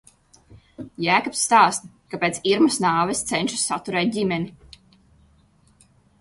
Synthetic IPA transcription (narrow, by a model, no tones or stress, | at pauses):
jæːkɔpsːt̪aːst̪ | kapʲeːt̪siɾmɐsnaːvɛst̪sɛnʲʃu̥sːat̪uɾɛːt̪̚dʲimɛni